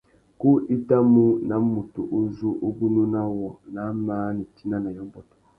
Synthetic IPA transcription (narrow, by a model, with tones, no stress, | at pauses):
ku˦ʔi˦da˦mu˦na˨˦mu˨tu˨ʔo˦zu˦ʔo˦bu˦nu˦na˦wɔ˨na˨˦maː˦ni˨ti˦na˦na˨jɔ˦m˦bɔ˨tɔ̥˨